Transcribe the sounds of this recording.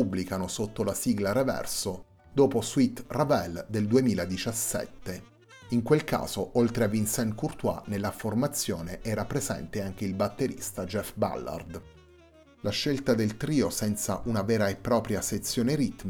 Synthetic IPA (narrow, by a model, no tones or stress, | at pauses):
ubːlikanosot̪ːolasiɡlaɾevɛ̰rso | d̪oːposwit̪ravɛld̪eld̪uemiːlad̪it͡ʃasːɛ̰t̪ːe | iŋkwelka̰ːz̥oʔolt̪ɾeavinsɛnkurt̪wa̰nelːaformat̪sːjoːneʔɛɾapːɾezɛ̰nt̪eaŋk̟eilbat̪ːeɾḭst̪ad͡ʒɛfba̰lːa̰rd̪ | laʃːelt̪ad̪elt̪ɾiːosɛnt̪sa̰ʔunavɛːɾaepːɾɔːpɾjaset̪sːjoːneɾit̪m